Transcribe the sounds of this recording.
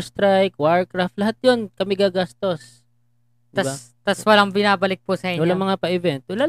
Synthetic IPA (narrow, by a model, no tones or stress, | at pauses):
st̪ɾajkwaɹ̚kɾaft̪lɐɦat̪̚jonkɐmɪɡaɡast̪o̞s | t̪ɐbsat̪ɐswɐlaŋbɪnaːbɐlɪk̚pʊsɐʔiːɲwɐlamɐŋapɐʔɪvɛnt̪ʊla